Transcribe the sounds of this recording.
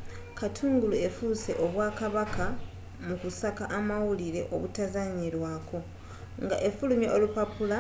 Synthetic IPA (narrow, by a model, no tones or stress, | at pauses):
katʰuːŋɡulue̞fuse̞̰ʔo̞βwaːkaβaka | mukusakaʔːmawuliɾe̞̰ʔo̞̰βutazaɲiɾwaːkʰo̞ | ŋɡa̰ʔe̞fulumjeʔolupapula